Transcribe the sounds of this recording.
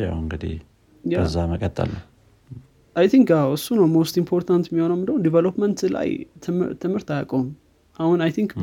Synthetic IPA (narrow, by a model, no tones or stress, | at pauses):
ja̰wɨŋɡɨd̪ḭh | jəzːaməkʼət̪ʼːə̰lːə | ajt̪ʰiŋkaɨsːunəwmost̪impʰoɾt̪ʰant̪jɛmːiho̞nəwmɨnd̪əwud̪ivelopmənt̪la̰j̪ʰɨmt̪ʰɨmhɨɾt̪ajakʼom | ʔahunajt̪ʰiŋk